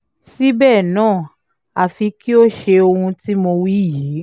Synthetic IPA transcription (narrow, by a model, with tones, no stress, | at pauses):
si˦bɛː˦˨nãː˦˨ | a˨fi˧ki˦o˦ʃe˧o˧hũ˧ti˦mo˧wi˦jiː˨˦